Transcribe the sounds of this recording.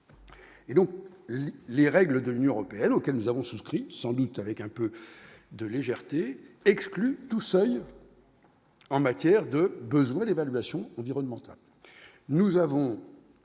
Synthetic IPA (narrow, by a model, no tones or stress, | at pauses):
ed̪ɔ̃k | leʁɛɡləd̪əlynjɔ̃øʁɔpeɛnokʲɛlnuzavɔ̃suskχisɑ̃d̪ut̪avɛkɛ̃pø | d̪əleʒɛʁt̪eɛksklyt̪usœj | ɑ̃mat̪jɛʁd̪əbəzwɛ̃d̪evalɥasjɔ̃ɑ̃viʁɔnmɑ̃t̪a̰l | nuzavɔ̃